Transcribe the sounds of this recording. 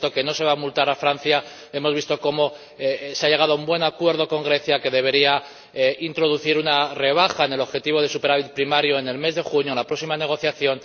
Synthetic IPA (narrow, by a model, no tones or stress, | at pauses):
t̪o̞ke̞no̞se̞β̞amult̪aɾafɾanθja | e̞mo̞zβist̪o̞ko̞mo̞ | seaʎe̞ɣað̞oumbwe̞nakwe̞ɾð̞o̞ko̞ŋɡɾe̞θjake̞ðe̞β̞e̞ɾia | eint̪ɾo̞ð̞uθiɾunare̞β̞axaene̞lo̞βxe̞t̪iβ̞o̞ðe̞supe̞ɾaβit̪̚pɾimaɾjoe̞ne̞lme̞zðe̞xuɲjoenlapɾo̞ksimane̞ɣ̞o̞θjaθjo̞n